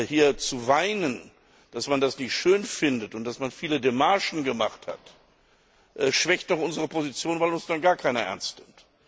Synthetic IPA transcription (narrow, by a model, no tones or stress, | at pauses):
hiːɐt͡suvaɪnən | d̥asmandasnɪçtʃøːnfɪndətʊnt̚d̥asmanfiːlədemaɐʃn̩ɡəmaχtha̰t | ʔɛʃv̥ɛçtnɔχʔʊnzəʁ̞əpʰozit͡sjoːnvaɪlʊnsd̥anɡaːɐkʰaɪnɐʔɛ̰ɐnstnɪmt